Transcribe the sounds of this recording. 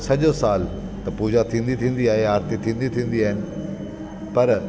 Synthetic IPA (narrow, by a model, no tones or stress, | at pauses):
sɐʄosaːlt̪ɐpuːd͡ʑat̪ʰĩːn̆d̪it̪ʰĩːn̆d̪iaːɦeaːɾt̪it̪ʰĩːnd̪it̪ʰĩːn̆d̪iaːɦɪnɪ̆ | pɐɾ